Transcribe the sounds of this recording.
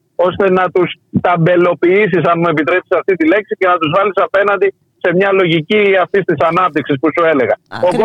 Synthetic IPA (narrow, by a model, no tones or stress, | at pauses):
o̞st̪e̞nɐt̪us | t̪ɐmbe̞lo̞piis̬isɐnmue̞pit̪ɾe̞psi̥sɐft̪it̪ile̞ksice̞nɐt̪uzvɐlisɐpe̞nɐnd̪i | se̞mɲɐlo̞ʝiciɐft̪ist̪isɐnɐp̚t̪iksispusue̞le̞ɣɐoko